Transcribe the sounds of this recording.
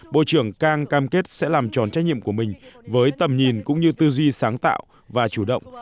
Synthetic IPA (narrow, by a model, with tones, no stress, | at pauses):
ɓo̰˧˨t͡ɕɨ˧˩əŋkaː˧ŋkaː˧mke˦˥t̚sɛ̰˧˥laː˨˩mt͡ɕɔ˨˩nt͡ɕa˦˥j̚ɲḭ˧˨əmku˧˩mï˨˩ŋ̟vəː˨˦jt̪ə˨˩mɲi˨˩nkʊ̰˧˥ŋ͡mɲɨ˧t̪ɨ˧zwi˧saː˨˦ŋt̪a̰ː˧˨w | vaː˨˩t͡ɕu˧˩ɗə̰˧˨wŋ͡m